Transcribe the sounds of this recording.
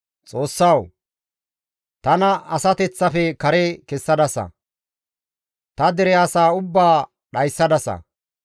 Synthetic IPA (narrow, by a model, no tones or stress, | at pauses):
t͡sʼo̞ːsːɐw | t̪ɐnɐɐsɐt̪ɛt͡sːɐfɛkɐɾekɛsːɐd̪ɐsɐ̰ | t̪ɐd̪ɛɾɛɐsaːʊbːaː | ɗɐjsːɐd̪ɐsɐ̰